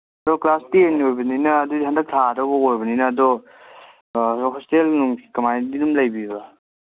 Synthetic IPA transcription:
ɐdɔklastieniojbɐninɐːdudiɦandɐk̚tʰaɾɐbɐojbɐninɐːdɔ | ɾɔpʰestelnuŋkʰi̥kɐmajdidumlɐjbiba

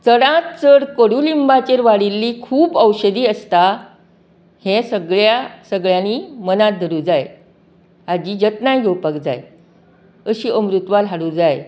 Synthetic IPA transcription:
t͡səɽãt̪̚t͡səɽkəɽulimbat͡ɕeɾʋaɽilːiːkʰuːpəwɕəd̪iːəst̪a | hẽsəɡɭjasəɡɭjãniːmənat̪̚d̪ʱəɾuːd͡zaj | ad͡ʑiːd͡ʑət̪najɡʱowpəkd͡za̰j | əɕiːʔəmɾut̪ʋalɦaɽud͡zaj

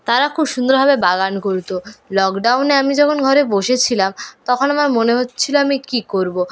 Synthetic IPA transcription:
t̪aɾakʰubʃund̪oɾbʱabebaɡankoɾt̪olɔkɖawneamid͡ʑɔkʰonɡʱɔɾeboʃet͡ɕʰilamt̪ɔkʰonamaɾmoneɦot̪ːt͡ɕʰiloamikikoɾbo

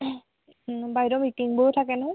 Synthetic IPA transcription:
bajdɔmitiŋboɹutʰakɛnɦɔ

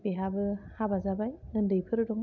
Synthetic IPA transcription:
biɦabɯhabazabajəndɯpʰɯɾɯduŋ

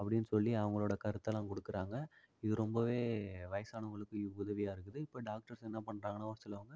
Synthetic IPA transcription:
ɐpːɐɽɪnːɯsɔlːiɐʋɐŋɡɐɭoːɽɐkɐɾɯt̪ːɐlãːkɔɽɯkːɪɾaːŋɡɐ | ɪðɯɾɔmbɐʋeːʋɐɪɐsaːnɐʋɐŋɡɐɭɯkːɯ̃ʊðɐʋɪjaːɪɾɯkːɯðɯɪpːoɖaːk̚ʈɐɾsɛnːapɐɳːɾaːŋɡɐnãːʋɐɾɐt̪ːɯlɐʋɐŋɡɐ

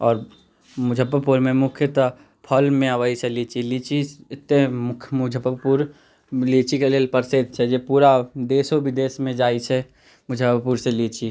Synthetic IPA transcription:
ɔːɾ | mʊd͡ʒʱəpːəpuɾmẽmʊkʰjət̪ | pʰəlmẽəʋəit͡ʃʰɛlit͡ʃʰilit͡ʃʰiɪt̪emʊkʰmʊd͡ʒʱəpːəpuɾ | lit͡ʃikeleːlpəɾseːd̪̚t͡ʃʰɛd͡ʒepuːɾad̪eːsobʱɪd̪eːsmẽd͡ʒaːit͡ʃʰɛ | mʊd͡ʒʱəppuɾselit͡ʃʰi

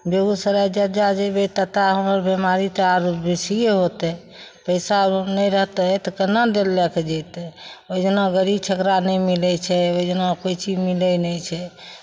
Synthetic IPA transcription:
beɡusəɾad͡ʒəd͡ʒad͡ʒebet̪ət̪aɦəməɾbemaɾit̪əaɾbesieɦot̪ɛ | pəɪsanɛjɾəɦt̪ɛt̪ɔkənad̪elːɛked͡ʒɛt̪ɛod͡ʒənaɡəɾibt͡ʃʰəkɾanɛjmilɛt͡ʃʰɛod͡ʒənakoit͡ʃid͡ʒmilɛnɛt͡ʃʰɛ

